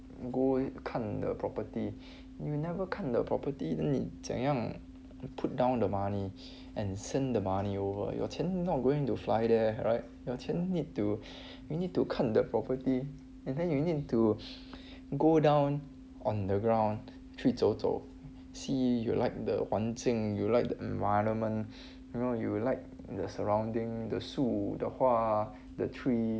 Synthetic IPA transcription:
ɡokʰãndə̰pʰɹɔpəti | junɛvəkʰãt̚dəpʰɹɔ̰pətidɛ̃nḭsɛ̰̃ŋjãŋ | pʰut̚dãʊ̃ndəmani | ʔɛ̃nsɛ̃ndəmaniovə̰jɔ̰tʰɛ̃nnɔt̚ɡoɪ̃ŋtuflaɪdɛɹaɪt̚jɔtʰɛ̃nnid̚tu | junid̚tukʰãt̚dəpʰɹɔpəti | ɛ̃ndɛ̃njunid̚tu | ɡodãw̃n | ɔ̃ndəɡɹãʊ̃n | tʰɹisoto̰ | sijṵlaɪk̚də̰wãntɪ̃ŋjulaɪk̚dəʔɛ̃nvaɪɹə̃nmə̃n | junojulaɪk̚ | dəsəɹãw̃ndɪ̃ŋdəsudəhwa | dətʰɹi

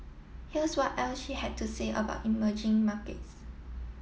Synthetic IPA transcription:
hiəswɔtʔɛlsʃihɛd̚tʰuseʔə̰ba̰ʊtiməd͡ʒɪ̃ŋmakə̰ts

